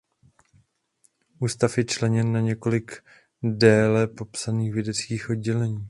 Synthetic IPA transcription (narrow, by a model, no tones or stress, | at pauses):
ʔuːst̪afjɛt͡ʃlɛɲɛnːaɲɛko̞lɪɡ | dɛːlɛpo̞psaniːxvjɛdɛt͡skiːxʔo̞d̚ɟɛlɛɲiː